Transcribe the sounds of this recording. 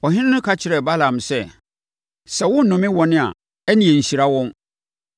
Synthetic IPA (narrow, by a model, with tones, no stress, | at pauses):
ɔ˨ɦɪ̃˦nɪ̃˦nʊ̃˦kʰa˦t͡ɕʰɪ˨ɾɛ˨ba˦lã˨msɛ˦ | sɛ˨wʊ̃˦n̩˦nʊ̃˨mɪ̃˦wɔ˨nɪ̃˦a̰˨ | ɛ˦nĩ˨ɛ˨n̩˨ɕi˨ɾa˦wɔ̃˦n